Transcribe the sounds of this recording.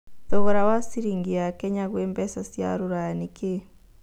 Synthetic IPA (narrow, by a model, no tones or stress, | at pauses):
ðɔɣɔɾawasiɾiŋɡiakɛɲaɣwembɛsasja̰ɾuɾajanike